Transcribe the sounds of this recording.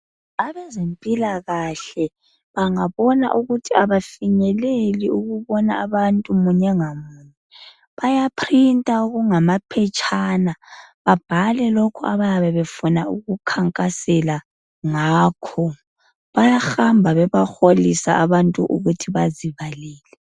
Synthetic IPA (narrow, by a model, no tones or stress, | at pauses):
aβɛzempʼilaɣaɬɛ | βaŋaβɔna̰ʔuɣutʰiaβafiɲɛleliuɣuβɔnaːβantʼumuɲɛŋamuːɲɛ | βajapʰrintʼauɣuŋamapʰɛt͡ʃʼʰaːnaβab̥ʱalɛlokʰua̰βajaβɛβefunauɣukʰaŋkʼasɛla | ŋaːkʰɔ | βajaxambʱaβɛβaxolisaːβantʼuʔṵɣutʰiβaziβaliːlɛ